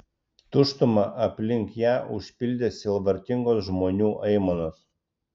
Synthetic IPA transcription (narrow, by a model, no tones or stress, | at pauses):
t̪ʊʃt̪ʊmɐʔɐpʲlʲɪŋkjæːʔʊʃʲpʲɪlʲd̪ʲesʲɪlˠbɐɾʲt̪ʲɪŋɡoːsʒmoːnʲuːʔɛɪmonos